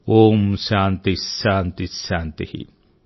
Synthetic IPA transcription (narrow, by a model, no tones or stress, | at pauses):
omsant̪isant̪isant̪ihḭ